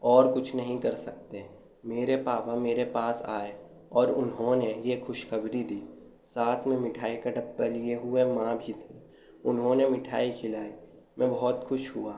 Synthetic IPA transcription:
ɔːɾkʊt͡ʃʰnɐɦĩkɐɾsɐk̚t̪e | meːɾepaːpameːɾepaːsa̰ːe | ɔːɾʊnɦõnejexʊʃxɐbɾid̪iː | saːt̪ʰmẽmɪʈʰaːikɐʈəp̚ːəlieɦʊemãbʱit̪ʰeː | ʊnɦõnemɪʈʰa̰ːikʰɪlaːi | mɛ̃bɐɦɔt̪xʊʃɦʊaː

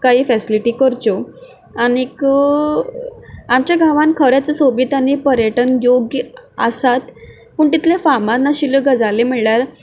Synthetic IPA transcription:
kaɦiːfɛsiliʈiːkəɾt͡so | anek | amt͡ɕjaɡʱaʋãnkʰəɾjat͡səsobiːt̪anipəɾjəʈənjoɡjəə̰sat̪ | puːɳt̪it̪lefamat̪naɕiləɡəd͡zalem̤eɭljaɾ

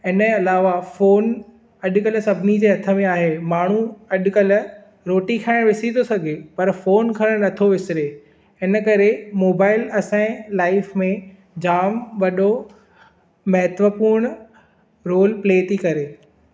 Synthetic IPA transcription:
ɪnə̃ɐlaːʋafoːn | ɐɗkɐlsɐbʱɪnid͡ʑeːɦɐt̪ʰə̆mẽaːɦemaːɳ̤uɐɗkɐl̆ | ɾoːʈikʰaːɪ̃ɽ̃ʋɪsinosɐɡʱepɐɾfoːnkʰɐɾəɽ̃nɐt̪ʰoʋɪsɪɾe | ɪnə̆kɐɾemoːbaːɪlɐsãɪ̃laːɪfmẽ | d͡ʑaːmʋɐɗo | mɐɦət̪ʋəpuːɾɽ̃ | ɾoːlpleːt̪ʰikɐɾeː

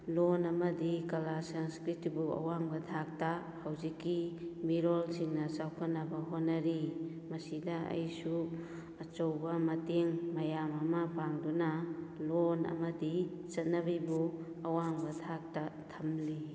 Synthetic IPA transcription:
lonɐmɐdikɐlasaŋskɾitibua̰waŋbɐtʰak̚ta | hawzikːimiɾolsiŋnɐsawkʰanɐbɐɦonːɐɾi | mɐsidaɐ̰jsu | ɐt͡ʃowbɐmɐteŋmɐjamɐmɐpaŋdunalonɐ̰mɐdi | t͡ʃɐt̚nɐbijbu | ɐwaŋbɐtʰak̚tatʰɐmli

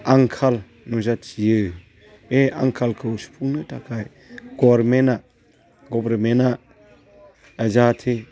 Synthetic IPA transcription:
aŋkʰal | nɔzat͡ʃijɯ | eaŋkʰalkʰɯwsu̥pʰuŋnɯtʰakʰaj | ɡ̥ɔɾmɛna | ɡɔbɾmɛna | əzatʰe

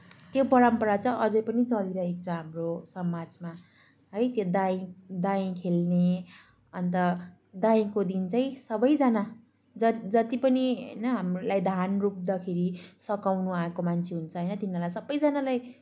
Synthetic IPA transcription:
t̪jopʌɾʌmpʌɾat͡sʌʔʌd͡zʌjpʌnit͡sʌliɾʌɦek̚t͡sʰʌ̃ɦamrosʌmad͡zma | ɦʌjt̪jod̪aĩd̪aĩkʰelne | ʌnt̪ʌ | d̪aĩkod̪int͡sʌĩsʌbʌjd͡zʌna | d͡zʌd͡zʌt̪ipʌniɦʌ̰jnʌɦamlajd̪ʱanrup̚d̪ʌkʰeɾisʌkawnuaekomant͡sʰeɦunt͡sʰʌɦʌjnʌt̪inːalajsʌbːʌjd͡zʌnalaj

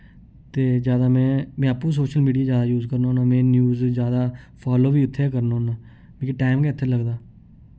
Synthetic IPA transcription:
t̪eːd͡ʒjaːd̪aːmɛ̃ːmɛ̃ːaːpũːs̬oːʃəlmiːɖijaːzjaːd̪aːjuːzkəɾnaɦoːnãːmɛ̃ːnjuːzzjaːd̪aːpʰaːloːʋiːʊt̪ʰːeːkəɾnaːɦõːnaː | mẽːkiʈaːɪmkɛːt̪ʰːeːləɡd̪aː

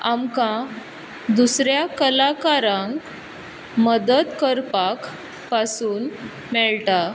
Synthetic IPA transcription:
amkã | d̪usɾjakəlakaɾãŋk | məd̪əd̪kəɾpak | pasuːn | mɛɭʈa

